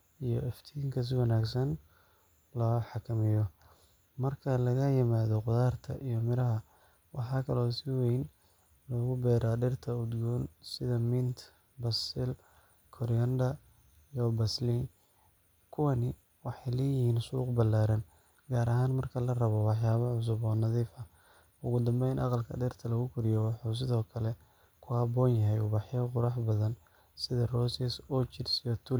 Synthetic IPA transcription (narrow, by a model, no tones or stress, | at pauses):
ijɔɛft̪ʰɪŋkʰɐs̬ɪwɐnaːɡsɐn | lɔːħɑkʰɐmɪjɔ | mɐrkʰɐlɐɣɐjɪmaːðɔqʊðaːrt̪ʰɐ̰ʔijɔmɪɾɐɦɐ | wɑħɑːkʰɐlɔːsɪwɛjn | lɔːɣʊbɛːɾaɖɪrt̪ʰɐʊd̪ɡuːnsɪðɐmɪnt̪ʰ | bɐsɪl | kʰɔɾjɐnd̪ɐ | jɔbɐsliŋ | kʰʊwɐnɪ | wɑħɑjlɛːjɪhiːnsuːqbɐlaːɾɐn | ɡaːɾɐɦaːnmɐrkʰɐlɐrɐβɔwɑħjaːβɐʕʊs̬ʊbɔːnɑðiːfɐ | ʊɣʊd̪ɐmbɛjnʔɑ̰qɑlkʰɐ̰ɖɛrt̪ʰɐlɐɣʊkʰʊɾɪjɔwɑħuːs̬ɪðɔːkʰɐlɛ | kʰʊhɐbɔːnjɐɦɛjubɑħjɔqʊɾɑħbɐðɐn | sɪðɐrɔːsɛsɔt͡ʃɪrsijɔt̪ʰʊ